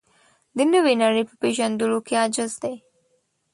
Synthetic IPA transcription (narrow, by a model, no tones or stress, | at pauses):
d̪ənəwenaɾipə̥peʒand̪ulokead͡ʒɪzd̪aj